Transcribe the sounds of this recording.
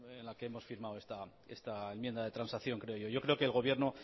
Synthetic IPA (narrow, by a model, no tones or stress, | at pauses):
enlake̞emo̞sfiɾmawe̞st̪a | e̞st̪aemje̞nd̪aðe̞t̪ɾansaθjo̞ŋkɾeo̞ʝo̞ʝo̞kɾe̞o̞ke̞ːlɣ̞o̞βje̞ɾno̞